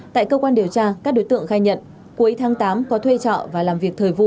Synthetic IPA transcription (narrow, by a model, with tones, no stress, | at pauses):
t̪a̰ː˧˨jkəː˧kwaː˧nɗi˨˩əwt͡ɕaː˧kaː˦˥k̚ɗo˨˦jt̪ɨ̰˧˨əŋxaː˧jɲə̰˧˨n | ku˨˦jt̪ʰaː˨˦ŋt̪aː˨˦mkɔ˨˦t̪ʰwe˧t͡ɕɔ̰˧˨vaː˨˩laː˨˩mvi˨˩ək̚t̪ʰəː˨˩jvṵ˧˨